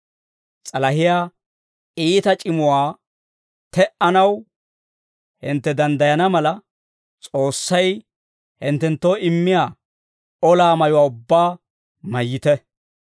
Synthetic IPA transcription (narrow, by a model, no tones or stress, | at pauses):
t͡sʼɐlɐhɪjaː | iːt̪ɐt͡ʃʼɪmʊwaː | t̪ɛʔɐnɐw | hɪnt̪ːɛd̪ɐnd̪ɐjɐnɐmɐlɐ | t͡sʼo̞ːsːɐj | hɪnt̪ːɛnt̪ːoːɪmːɪjaː | ɔlaːmɐjʊwaːʊbːaː | mɐjːɪt̪ɛ